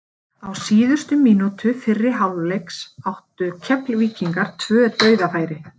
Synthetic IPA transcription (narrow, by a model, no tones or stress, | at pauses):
awsiːðʏst̪ʏmiːnut̪ʰʏfɪrːɪɦawllejksawht̪ʏcʰɛplviːciŋkaɾ̥t̪ʰvœːt̪œːɥðafaːjɾɪ